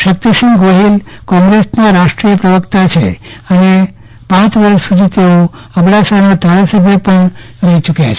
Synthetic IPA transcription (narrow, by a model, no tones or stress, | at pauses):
ʃək̚t̪isĩŋɡɡoɦilkɔ̃ŋɡɾesnaɾaʃʈɾijəpɾəʋəkt̪at͡ʃʰḛəne | pãt͡ʃʋəɾəʃsud̪ʱit̪eo | əmɽasanad̪ʱaɾasəbʱjəpəɳ | ɾəɦit͡ʃukjat͡ʃʰ